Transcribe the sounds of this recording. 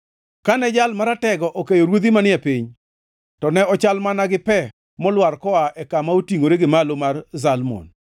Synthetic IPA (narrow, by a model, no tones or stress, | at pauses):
kanɛd͡ʒalmaɾatɛɡɔʔokejoɾwod̪imanɪɛpiɲ | tɔnɛɔt͡ʃalmanaɡɪpɛ | mɔlwarkɔaʔɛkamaotiŋoɾeɡɪmalomarzalmo̰n